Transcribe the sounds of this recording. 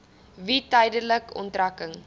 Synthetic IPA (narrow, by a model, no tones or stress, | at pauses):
vitəjdələkɔ̰ntrɐkəŋ